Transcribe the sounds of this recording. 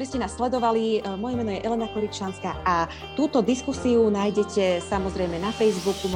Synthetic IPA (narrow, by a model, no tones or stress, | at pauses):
ɾɛscɛnaːsslɛd̪ɔʋalimɔjɛmɛːnɔjɛʔɛlɛnakɔɾit͡ʃanskaːʔa | t̪uːt̪ɔd̪iskusiunaːjɟɛcɛsamɔzɾɛjmɛnafɛjzbukum